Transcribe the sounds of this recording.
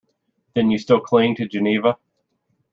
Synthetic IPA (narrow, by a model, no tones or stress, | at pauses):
ðɨ̃njɨstɪlˠkʰl̥ɪ̃ŋtʰɨd͡ʒɨnivə